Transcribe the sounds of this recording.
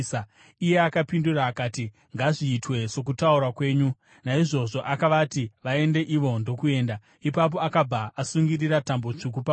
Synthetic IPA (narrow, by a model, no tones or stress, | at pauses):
ije̞akapinduraːkaːti | ŋɡaʐiːtwe̞so̞kutaurwakwe̞ːɲu | naiʐo̞ʐo̞ʔakaʋatiʋae̞nde̞ʔiʋo̞ndo̞kue̞ːnda | ipap̬o̞akab͡vaʔasuŋɡiriɾatambo̞t͡ʂuk̬upa